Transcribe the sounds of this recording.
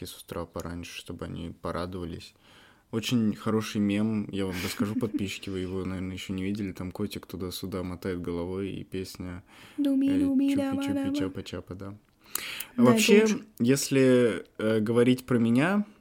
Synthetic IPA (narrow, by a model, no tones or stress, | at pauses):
ɪsʊ̥st̪ɾapɐɾʔa̰nʲʂɨ̥ʂt̪o̞bɨɐ̰nʲʔḭpɐɾʔad̪ɨvəlʲɪ̰sʲ | o̞t͡ɕɪnʲxɐɾo̞ʂɨjmʲemjavamɾəskɐʐupɐt̪̚pʲiɕːɪ̥kʲɪvɨjɪvo̞nɐvʲernəjɪɕːo̞nʲɪvʲidʲɪlʲɪt̪amkotʲɪkt̪ʊd̪asʲʊd̪amɐt̪ajɪt̪ɡəlˠɐvo̞jḭpʲesʲnʲə | ɪapɐt͡ɕapəd̪a | avɐpɕːejesʲlʲɪəɡəvɐɾʲitʲpɾəmʲɪnʲa